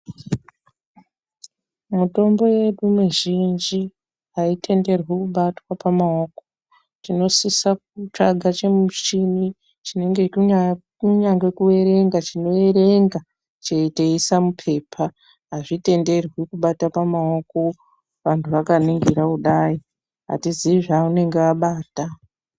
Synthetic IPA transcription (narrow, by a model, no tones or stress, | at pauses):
muto̞mbo̞je̞ɗumuʒind͡ʒi | ɦaitʰe̞nde̞rwikuɓatwapamaoːko | tino̞sisak̚ut͡ʂaɡʱat͡ʃe̞mut͡ʃini | t͡ʃine̞ŋɡe̞ | uɲaŋɡwekue̞ɾe̞ŋɡat͡ʃino̞e̞ɾe̞ŋɡa | t͡ʃeiteisamupʰe̞ːpʰa | ɦaʐite̞nde̞rwikuɓatapamao̞ko̞ | ʋantʰuʋakaniŋɡiɾakuɗai | ɦa̰tiziiʐaːune̞ŋɡeaɓaːta